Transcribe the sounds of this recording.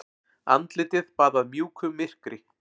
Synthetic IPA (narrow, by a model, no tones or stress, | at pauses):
a̰nt̪lɪt̪ɪðpaːðaðmjuːkʰʏmːɪr̥kɾɪ